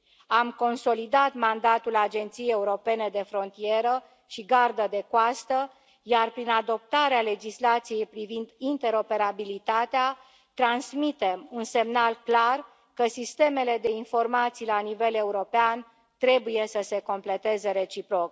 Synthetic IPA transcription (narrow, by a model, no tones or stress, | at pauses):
amko̞nso̞lid̪at̪mand̪at̪ulad͡ʒe̞nt̪sijejeuɾo̞pe̞ne̞d̪e̞fɾo̞nt̪ije̞ɾə | ʃiɡard̪əd̪e̞koast̪ə | jarpɾinad̪o̞p̚t̪aɾeale̞d͡ʒislat̪sije̞jpɾivind̪int̪e̞ɾo̞pe̞ɾabilit̪at̪ea | t̪ɾansmit̪e̞munse̞mnalklar | kəsist̪e̞me̞le̞d̪e̞info̞rmat̪sijlanive̞le̞uɾo̞pean | t̪ɾe̞buje̞səse̞ko̞mple̞t̪e̞ze̞ɾe̞t͡ʃipɾo̞k